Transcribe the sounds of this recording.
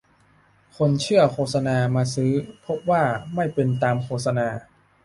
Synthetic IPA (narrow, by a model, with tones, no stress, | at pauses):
kʰo˧nt͡ɕʰɯ˥˩ɐkʰoː˥˩sa˧naː˧maː˧sɯː˦˥pʰo˦˥p̚waː˥˩ma˥˩jpe˧nt̪aː˧mkʰoː˧˩t̪̚sa˧naː˧